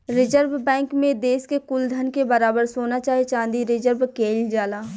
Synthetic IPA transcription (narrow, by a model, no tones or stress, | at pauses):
ɾɪd͡ʒəɾbbɛ̃ːŋkmẽd̪eːskekʊld̪ʱənkebɐɾaːbəɾsoːnat͡ʃaːɦiet͡ʃãːnd̪iɾɪd͡ʒəɾbkeːld͡ʒaːlaː